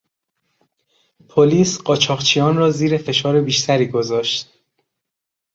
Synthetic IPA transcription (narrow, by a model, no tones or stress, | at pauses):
pʰoliːsɢɒːt͡ʃʰɒːʁt͡ʃʰijɒːnrɒːziːɾe̞fe̞ʃɒːɾe̞biːʃt̪ʰæɾiːɡo̞zɒːʃt̪